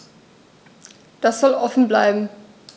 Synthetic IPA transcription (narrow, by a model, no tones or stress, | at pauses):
d̥asz̥ɔlʔɔfn̩bla̰ɪbm̩